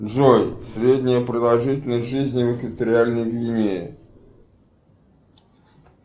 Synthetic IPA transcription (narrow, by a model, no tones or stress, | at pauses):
ʐojsʲɾʲedʲnʲɪjəpɾəd̪ɐlˠʐɨtʲɪlʲnəjʐɨzʲnʲɪvəkvʲɪt̪əɾʲɪalʲnəjɡvʲɪnʲejɪ